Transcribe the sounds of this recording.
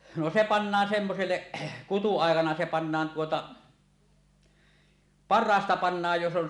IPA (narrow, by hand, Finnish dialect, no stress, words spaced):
no se pɑnːɑːn semːoselːeʔ kutuɑˑekɑnɑ se pɑnːɑːn tuotɑ pɑrːɑːstɑ pɑnːɑːj jos on